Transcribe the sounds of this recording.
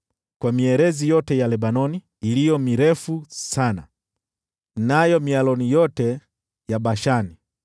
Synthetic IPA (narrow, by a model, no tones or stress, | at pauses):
kwamiɛɾɛzijɔtɛjalɛbanɔniː | lijɔmiɾɛfusana̰ | najɔmialɔnijɔtɛ | jaɓaʃani